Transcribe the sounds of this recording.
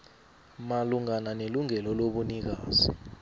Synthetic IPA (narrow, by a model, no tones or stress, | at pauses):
maluŋananeluŋɛlɔloɓunik̬aːzi